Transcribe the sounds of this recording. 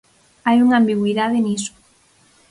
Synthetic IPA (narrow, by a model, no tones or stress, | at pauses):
ajuŋambiɣwiðaðeniso̥